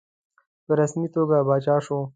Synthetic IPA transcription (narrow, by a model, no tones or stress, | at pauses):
pəɾasmit̪oɡabɑːt͡ʃɑːʃo